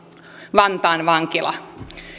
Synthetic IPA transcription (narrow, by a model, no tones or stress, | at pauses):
ʋɑnt̪ɑːnʋɑŋkilɑ̰